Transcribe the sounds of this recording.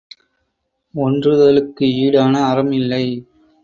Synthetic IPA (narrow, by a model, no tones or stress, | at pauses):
ɔndrɯðɐlɯkːɯiːɽaːnɐːɾɐmɪlːɐɪ